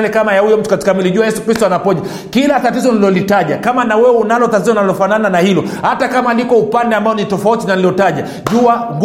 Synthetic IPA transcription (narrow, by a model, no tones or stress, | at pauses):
lɛkamajahujɔm̩tu̥kati̥kamiliʄuajɛsu̥kɾistɔanapɔʄa | kilatatizɔniliɔlitaʄakamanawɛwɛunalɔtatizɔnalɔfanananahilɔ | hatakamalikɔupandɛambaɔnitɔfautinaniliɔtaʄa | ʄuaŋɡ